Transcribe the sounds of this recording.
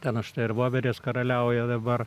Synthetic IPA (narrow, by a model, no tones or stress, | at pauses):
t̪ʲɛnɐʃt̪ɐɪɪrʋoːʋʲɛɾʲeːskɐɾɐlʲɛʊjɛd̪ɐbɐr